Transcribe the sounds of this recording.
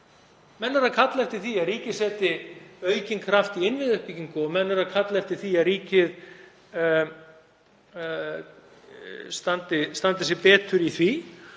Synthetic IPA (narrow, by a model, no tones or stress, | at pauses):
mɛnːʏɾakʰat̪lɛft̪ɪθiaɾiːcɪ̥sɛːt̪ɪœɥcɪnkʰɾaft̪iɪnvɪðʏhpɪciŋkʊɔmɛnːʏɾakʰat̪lɛft̪ɪθiaðɾiːcɪð | st̪ant̪ɪst̪ant̪ɪsjɛɾpɛːt̪ʏɾiθvi